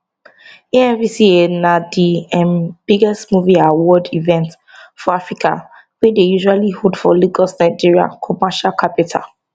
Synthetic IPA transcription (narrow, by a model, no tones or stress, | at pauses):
eɛ̃nvisienadiɛ̃nb̥iɡɛstmuviawɔdivɛ̃nt | fɔafɹikʰa̰ | wedejuʒualihutfɔliɡɔsnaɪd͡ʒiɹia̰kʰɔmaʃalkʰapitʰa̰l